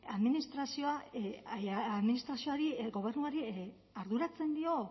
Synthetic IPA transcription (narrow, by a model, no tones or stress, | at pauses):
aðminist̪ɾasio̞a | aðminist̪ɾasio̞aɾiɡo̞β̞e̞rnuaɾi | aɾðuɾat͡se̞nd̪io̞